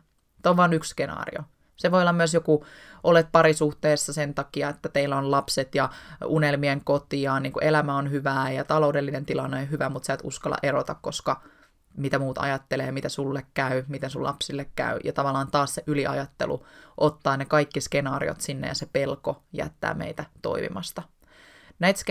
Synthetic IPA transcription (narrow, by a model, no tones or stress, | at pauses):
soʋʋɑːnyksskenɑ̰ːrḭo | seʋojolːɑmyøsjokuʔolet̪̚pɑɾisuht̪eːsːɑsent̪ɑkiɑet̪ːæt̪eilːæonlɑpset̪jɑunelmieŋkot̪iɑːniːŋkuʔelæmæonhyʋæːjɑt̪ɑlo̞udelːinent̪ilɑnːeonɦyʋæmut̪sæːt̪ṵskɑlːɑ̰ʔeɾot̪ɑkkoskɑ | mit̪æmuːt̪ɑ̰jɑt̪ːeleːmit̪æsulːekkæymit̪ensulɑ̰psilːekkæ̰yjɑt̪ɑʋɑlːɑːnt̪ɑːsseʔyliʔɑ̰jɑt̪ːḛlṵʔot̪ːɑːnekɑikːiske̞nɑːrḭo̰t̪sinːḛjɑsepe̞lkojæ̰t̪ːæ̰ːmḛit̪æt̪o̰imḭmɑst̪ɑ | næit̪sk